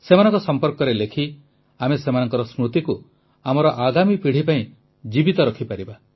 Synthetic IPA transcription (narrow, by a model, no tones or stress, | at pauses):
semanɔ̃ŋkɔsɔmpɔɾkɔɾelekʰi | amesemanɔŋkɔɾɔsmɾut̪iku | amɔɾɔʔaɡamipiɽ̤ipaĩ | d͡ʒibit̪ɔɾɔkʰipaɾiba